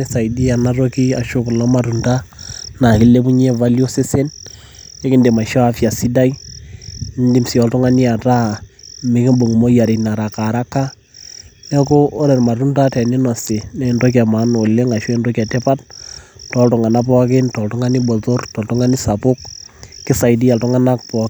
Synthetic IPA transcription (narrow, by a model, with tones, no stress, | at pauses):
nɛ˦sa˨di˦a˨na˦ɾo˦ki˦a˨ʃʊ˦klɔ˦ma˨tu˨nda˦na˨kɪ˦le˦pu˦ɲe˦va˦ljo˦se˦se˦n | e˦kɪ˦nde˨ma˨ʃɔ˦a˦fja˨si˦da˦i˦ | n˦di˦msi˨ɔ˨ltʊ˦ŋa˦ni˦a˨ta˦mɪ˨˦kɪ˦mbo˨ŋ˨mo˦ja˨ɾɪ˨na˨ɾa˨ka˨ɾa˦kːa˦ | nɛ˦kʊː˦ɾɛ˨ɾma˨tu˦nda˦tɛ˨ni˦nɔ˨se˨nɛ˦˨ndo˦k̬ɛ˨ma˨˦no˨le˦ŋa˨ʃɛ˦ndo˦kɛ˨te˦pa˦t̚tɔ˨˦ltʊ˨ŋa˨na˦pɔ˦kɪ˦ntɔ˨ltʊ˦ŋa˦ni˦bɔ˨to˦rtɔ˨ltʊ˦ŋa˦ni˦sa˨pʊ˦k̚ːɪ˦sa˨jdi˦ja˨ltʊ˦ŋa˦na˦k̚pɔ˨k